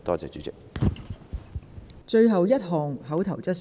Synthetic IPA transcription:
t̪ɔː˥t͡sɛ̰ː˨˧t͡ʃyː˨˥t͡sɪ˨k̚ | t͡ʃɵ˧ɥɦɐ˨wjɐ˥t̚ɦɔː˨˩ŋɦɐ˨˥wt̪ʰɐ˨˩wt͡sɐ˥t̚s

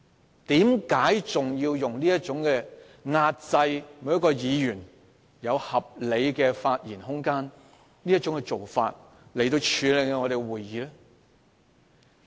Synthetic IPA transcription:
t̪iː˨˥mkaː˨˥jt͡sʊ˨ŋjiː˧wjʊ˨ŋliː˥jɐ˥t̚t͡ʃʊ˨˥ŋkɛː˧ | ŋaː˧t̚t͡sɐ˧jmu˨˧˥jɐ˥kːɔː˧jiː˨˧jyː˨˩n | jɐ˨˧whɐ˨p̚le˨˧jkɛː˧faː˧t̚jiː˨˩nɦʊ˥ŋkaː˥n | niː˥jɐ˥t̚t͡ʃʊ˨˥ŋkɛ˧t͡so˨wfa̰ː˧t̚ | le˨˩jt̪̬o˧wt͡ʃʰyː˨˧lɪ˨ŋkɛ˧ŋɔː˨˧ɾe˨˩ɡwuː˨˩jːiː˨˧lɛ˥

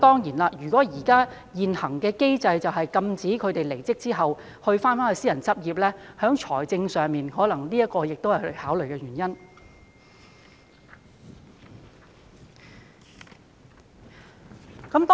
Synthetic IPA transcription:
t̪ɔː˥ŋjiː˨˩nlaː˧jyː˨˩kʷɔː˨˥jiː˨˩kaː˥ | jiː˨nhɐ˨˩ŋkɛː˧ke˥jt͡sɐ˧jt͡sɐ˨wɦɐ˨jkɐ˧mt͡siː˨˥kʰɵ˨˧ɥt̪e˨jle˨˩jt͡sɪ˥k̚t͡siː˥ɦɐ˨˩w | hɵ˧ɥfaː˥nfaː˥nhɵ˧jsiː˥jɐ˨˩nt͡sɐ˥p̚jiː˨p̚lɛː˥hœː˨˥ŋt͡ʃʰɔː˨˩jt͡sɪ˧ŋsœː˨ŋmiː˨˩nhɔː˨˥lɐ˨˩ŋliː˥jɐ˥t̚kːɔː˧jɪ˨k̚t̪o˥whɐ˨˩haː˨˥wlɵ˨ɥkɛː˧ɥyː˨˩njɐ˥n | kɐ˨˥mt̪ɔ

